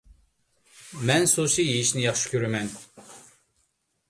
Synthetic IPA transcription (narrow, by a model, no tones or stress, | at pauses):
mɛnsot͡ʃʰijejiʃnɪjɑχʃi̥kʲʰøɾymɛn